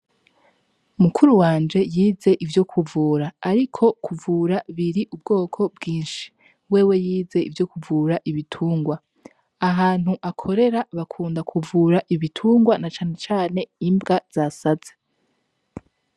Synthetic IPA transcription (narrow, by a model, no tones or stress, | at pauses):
umukʰuɾuwaːnd͡ʒe̞jiːze̞ʔivjo̞kʰuvuːɾaːɾikʰo̞kʰuvuːɾaβiɾiʔubɡo̞ːkʰo̞bɡiːnʃi̥ | we̞ːwe̞jiːze̞ʔḭvjo̞kuvuːɾaʔiβitʰuːŋɡwa | aɦaːn̥huʔakʰo̞ɾe̞ɾaβakʰuːndakʰuvuːɾaʔiβitʰuːŋɡwanat͡ʃaːne̞t͡ʃaːne̞imbɡaz̥asaze